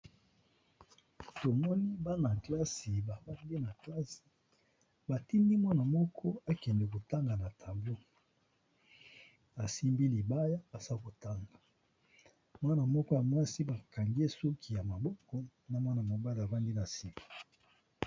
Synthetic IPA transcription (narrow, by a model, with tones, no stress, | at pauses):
to˨mɔ˦ni˦ba˦na˨kla˦si˨ba˨ba˦ndi˦na˨kla˦si̥˨ | ba˨ti˦ndi˦mwa˦na˨mɔ˦kʰɔ˦a˦kɛ˨ndɛ˨ko˨ta˦ŋɡa˨na˨tʰa˨mbo˦ | a˨si˦mbi˦li˨ba˦ja˦ba˨sa˦ko˨ta˦ŋɡa˨ | mwa˦na˨mɔ˦kɔ˦ja˨mwa˦si˦ba˨ka˨ŋɡe˦su˦kʰi˨ja˨ma˨bɔ˦kɔ˦ | na˨mwa˦na˨mo˨ba˦la˨ba˦ndi˦na˨si˦kḁ˨